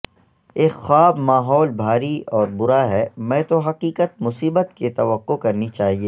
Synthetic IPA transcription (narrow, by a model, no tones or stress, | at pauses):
eːkxaːbmaːɦɔːlbʱaːɾiɔːɾbʊɾaɦɛmɛ̃ːt̪oɦɐqiːkət̪̚mʊsiːbət̪ket̪ɐʋəqːokɐɾnit͡ʃaːɦieː